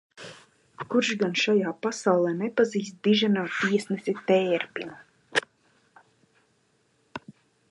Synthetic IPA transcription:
kuɾʃɡanʃajaːpasawlˠɛːnɛpaziːst̪̚d̪iʒanaːt̪iɛsnɛsit̪ɛːɾpʲinu

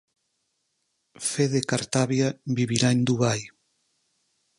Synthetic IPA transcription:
feðekaɾt̪aβjabiβiɾaend̪uβaj

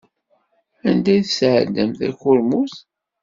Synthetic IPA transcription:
ænd̪æjθəsʕə̰d̪əmθæ̰çʊɾmuθ

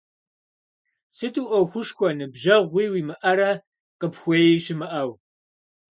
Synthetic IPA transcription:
sɨtʼuːʔɐwxʷʊʂxʷɔnɨbʒɐʁʷiːwiːmɨʔɐɾɐ | qəpxʷejiʃɪmɨʔɐw

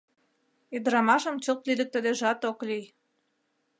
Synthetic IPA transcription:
id̪ɾɑmɑʃə̆mt͡ɕot̪lilə̆k̚t̪ə̆d̪eʒɑt̪oklyj

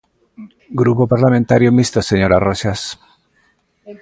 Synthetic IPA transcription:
ɡɾupopaɾlamẽnt̪aɾjomist̪oseɲo̞ɾaroʃas

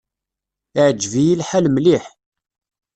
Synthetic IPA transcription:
ʕd͡ʒvijilħælmliħ

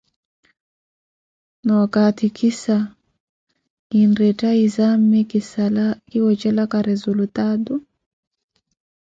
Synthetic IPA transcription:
nawakatikʰisa | inɾɛtaizammɛkisalakiwɔt͡ʃɛlakaɾɛzulut̪adu

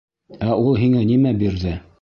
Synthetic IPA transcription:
æʔulˠɦiŋænimæbiɾðɘ

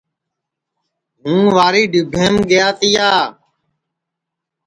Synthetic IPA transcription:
ɦũːʋaːɾiːɖɪbʱẽːmɡɪjaːt̪ijaː

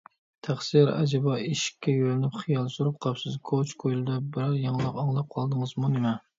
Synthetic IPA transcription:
t̪ʰæχsiɾɛ̰d͡ʒɛbɑiʃi̥kʲʰːɛjølɪnɪpχijɑlˠsuɾup̚qʰɑpsɨzkʰot͡ʃkʰojlˠɨd̪ɑbɪɾɑɾjɑŋlˠəqɑŋlˠɑp̚qʰɑlˠd̪ɨŋɨzmunɪmɛ

